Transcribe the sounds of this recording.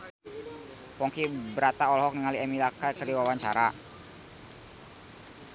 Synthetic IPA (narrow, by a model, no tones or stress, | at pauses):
pɔŋkibəɾat̪aɔlɔɦɔk̚niŋaliɛmilakakərdiwawaɲt͡ʃaɾa